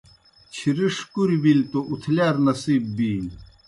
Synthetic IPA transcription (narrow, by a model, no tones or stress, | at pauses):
t͡ɕʰiɾiʂkuɾibilt̪oʔut̪ʰlaːɾnɐsiːbbi